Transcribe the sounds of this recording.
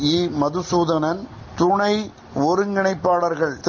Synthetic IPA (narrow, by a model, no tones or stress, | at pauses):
iːmɐðɯsuːðɐnɐn | t̪ʊɳɐɪ | ɔɾɯŋɡɪɳɐɪpːaːɽɐɾɣɐɭt̪